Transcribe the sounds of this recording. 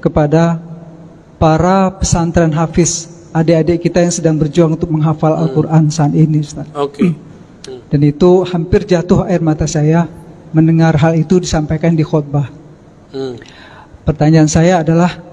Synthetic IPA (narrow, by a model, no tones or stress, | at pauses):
kəpada | paɾapəsant̪ɾanɦafɪs | adeadekit̪ajaŋsədaŋbərd͡ʒuaŋunt̪ʊk̚məŋɦafala̰lkurʔansaːninid͡ʒust̪aok | d̥anit̪uhampɪrd͡ʒat̪ʊhaɪrmat̪asajamənəŋarɦalit̪udisampajkandixɔt̪̚ba | pərt̪aɲaːnsajaːdalah